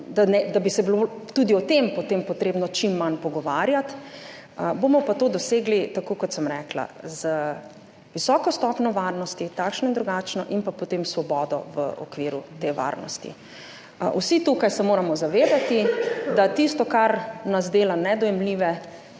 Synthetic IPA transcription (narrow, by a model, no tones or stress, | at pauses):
d̪anɛd̪abisɛbilot̪uːd̪iɔt̪empɔt̪empɔt̪ɾeːbnɔt͡ʃimːanpɔɡɔʋaːɾjat̪ | bomɔpat̪oːd̪ɔseːɡlit̪akoːkɔt̪səmɾɛːkla̰zə | ʋisɔːkɔst̪ɔpnɔʋaɾnɔst̪it̪akʃnɔind̪ɾuɡat͡ʃnɔʔinpapɔt̪emsʋɔbɔːd̪ɔ̰ʋə̰ɔ̰kʋiːɾut̪eʋa̰ːɾnɔ̰st̪ḭ | usit̪ukajsɛmoːɾamɔzaʋeːd̪at̪id̪at̪ist̪ɔkaɾnazd̪eːlanɛd̪ɔjɛmliʋɛ